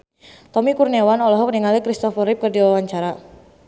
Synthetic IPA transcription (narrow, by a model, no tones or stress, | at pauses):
t̪ɔmikurnewanɔlɔɦɔkəniŋalikɾist̪ɔfɔɾɪp̚kərdiɔwaɲt͡ʃaɾa